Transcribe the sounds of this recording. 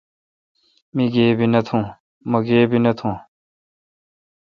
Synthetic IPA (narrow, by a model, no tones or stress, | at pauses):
miɡeːbinɐt̪ʰũː | mɐɡeːbinɐt̪ʰũː